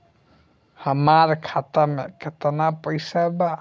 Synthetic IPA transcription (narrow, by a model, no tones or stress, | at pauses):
həmaɾkʰaːt̪amẽkɪt̪napəɪsaba